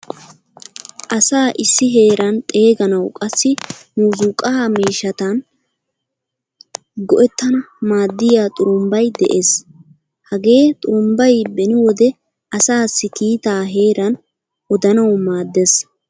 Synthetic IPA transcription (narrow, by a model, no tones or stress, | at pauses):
ʔɐsaːʔɪsːɪɦe̞ːɾɐnt̪ʼe̞ːɡɐnɐwkʼɐsːɪnuːzuːkʼːɐamiːʃːɐt̪ɐn | ɡɔʔɛt̪ːɐnɐ | maːd̪ːɪjaːt̪ʼʊʊmbɐjd̪ɛ̰ʔeːs | hɐɡe̞ːt̪ʼʊmbɐjbɛnɪwɔd̪ɛ | ʔɐsaːsːɪkiːt̪aːɦe̞ːɾɐn | ɔd̪ɐnɐwmaːd̪ːes